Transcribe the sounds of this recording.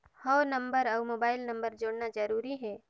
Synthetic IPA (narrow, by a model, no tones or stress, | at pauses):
hɔːnɐ̃mbəɾɔʊmoːbaːɪlnɐ̃mbəɾd͡ʒoːɽnad͡ʒɐɾuːɾiɦɛ̃ː